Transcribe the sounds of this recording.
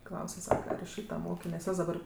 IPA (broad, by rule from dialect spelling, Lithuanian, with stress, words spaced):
ˈklˠɐʊsʲɛ ˈsɑːkɐ ɐr ɪʃ ˈʃʲiːtɐ ˈmoːkʲeː nʲɛs ˈjoːs dɐˈbɐr